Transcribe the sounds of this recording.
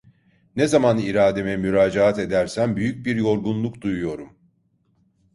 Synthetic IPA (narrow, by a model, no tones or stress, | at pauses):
nezamaniɾaːd̪emɛmyɾaːd͡ʒaat̪e̞d̪æɾsænbyjyc̚biɾjo̞ɾɡunlˠukd̪ujujo̞ɾum